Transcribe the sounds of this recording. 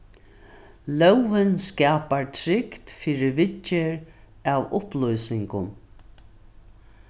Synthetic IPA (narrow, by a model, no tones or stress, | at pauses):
lœwɪnskaːpaɹt̪ʰɾɪkt̪fiːɾɪvɪt͡ʃːɪɹ | avʊ̰hplɔjsɪŋkʊn